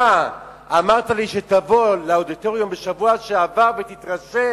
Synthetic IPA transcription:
a | amaʁt̪aliʃetavo̞leod̪ito̞ʁjumbeʃavuaʃeavaʁvet̪itʁaʃe

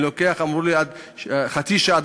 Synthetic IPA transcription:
lokeaχamʁuliad̪ | χat͡siʃaad̪

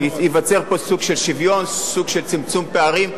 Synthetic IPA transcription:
jivat͡se̞ʁpo̞suɡʃelʃivjo̞nsuɡʃe̞lt͡simt͡sumpeaʁim

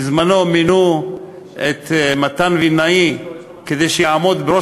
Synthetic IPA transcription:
zmano̞minu | et̪mat̪anvinai | ked̪ejʃeaamo̞d̪beo

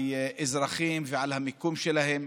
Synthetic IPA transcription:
jʔezɾaχimveʕalhamikumʃelahem

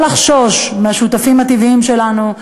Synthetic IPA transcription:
laχʃo̞ʃmeaʃut̪afimhat̪iviimʃe̞lanu

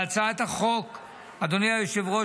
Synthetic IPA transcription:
at͡saet̪aχo̞k | ad̪onijajoʃevʁo

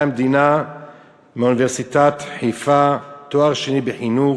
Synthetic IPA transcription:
med̪ina | meuniveʁsit̪at̪ħijfat̪oaʁʃenibeħinu

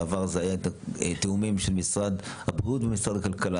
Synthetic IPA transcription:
avaʁzeajaet̪at̪eumimʃelmisʁad̪ | habʁiut̪bemisʁad̪akalkala

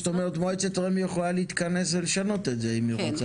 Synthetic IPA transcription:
t̪omeʁet̪mojt͡set̪ʁemijeχlaleit̪kane̞sveleʃano̞t̪etzeimioat͡sa

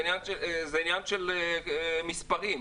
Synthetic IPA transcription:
njanezɛinjanʃel | mispaʁim

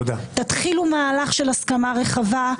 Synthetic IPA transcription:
at̪at̪χilumaːlaχʃelaskamaʁeχava

